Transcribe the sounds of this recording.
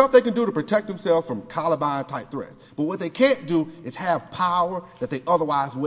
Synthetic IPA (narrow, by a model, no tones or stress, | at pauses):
ʌfðeɪkɨ̃ndɨɾəpɹ̥ɨtʰɛk̚ðɨ̃m̩sɛlˠvz̥fɹʌ̃mkʰɑlˠəbãɪ̃ntʰaɪt̪̚θɹɛ̰ts | b̥ʌt̚wʌt̪̚ðeɪkʰæ̃nd̥əɨz̥ɨv̥pʰaʊə˞ðɨt̪̚ðeɪʔʌðə˞waɪzwɪ